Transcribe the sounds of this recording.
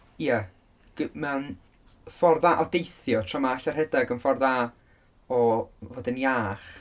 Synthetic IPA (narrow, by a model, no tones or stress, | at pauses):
iə | ɡ̥mən | fɔrðaʔɔdejθjɔtʰramaaɬar̥hɛdaɡənfɔrðaː | ɔvoːdəniaːχ